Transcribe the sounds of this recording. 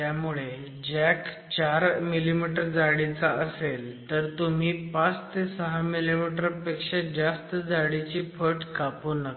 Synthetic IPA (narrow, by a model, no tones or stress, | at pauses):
jamuɭe | d͡ʑɛk | t͡ɕaɾmilimiʈəɾd͡zaɽit͡saəselt̪əɾt̪um̤iːpat͡st̪ʰesəɦamilimiʈəɾpekʂed͡ʑast̪əd͡zaɽit͡ɕiːpʰəʈkapunək